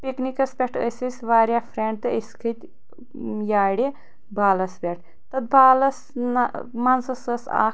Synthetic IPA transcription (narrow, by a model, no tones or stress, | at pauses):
piknikɐsbʲeʈʰə̰sʲisʲʋaːɾʲjaːfʰɾeɳʈ̚t̪ɨiskʰɨt̪ʲ | jaːɽi | baːlɐsbʲeʈ̚ʰ | t̪ɐt̪̚baːlɐs | nmɐnsɐsɐsa̰ː